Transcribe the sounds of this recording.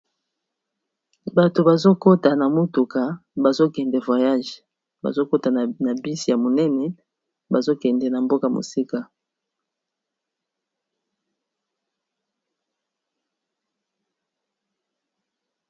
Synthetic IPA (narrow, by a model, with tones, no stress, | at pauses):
ba˨to˨ba˨zo˦ko˦ta˨na˨mo˦tu˨ka˨ba˨zo˦kɛ˨ndɛ˨vwa˨ja˦ʒe̥˨ | ba̰˨zo˦ko˦ta˨na˨bi˦si˨ja˨mo˨nɛ˦nɛ˨ | ba˨zo˦kɛ˨ndɛ˨na˨mbo˦ka˨mo̰˨si˦ka˨